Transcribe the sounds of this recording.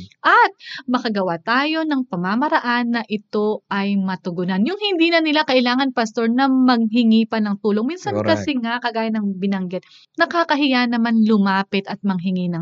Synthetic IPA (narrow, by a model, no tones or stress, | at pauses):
ʔɐt̪̚mɐkɐɡɐwat̪aːjo̞nɐŋpɐmamɐɾɐʔanːɐʔɪt̪o̞ʔɐjmɐt̪ʊɡʊnanjʊŋhɪnd̪iːnɐnɪlakɐʔɪlaːŋɐnpɐst̪o̞ɹnɐmɐɡ̚ɦɪŋipɐnɐŋt̪uːlo̞ŋminsɐnkɐsɛŋakɐɡaːjɐnɐŋbɪnɐŋɡɛt̪̚ | nɐkaːkɐɦɪjanɐmanlʊmaːpɪt̪ɐt̪̚mɐŋɦɪŋinɐŋ